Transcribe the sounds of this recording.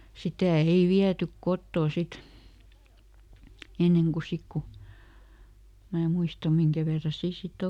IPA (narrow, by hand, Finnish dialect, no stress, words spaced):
sitæˑ ei ʋiætyk kotːoˑ sit enːeŋ ku sik ku mæː muistɑ miŋkæ ʋerːɑ siː sit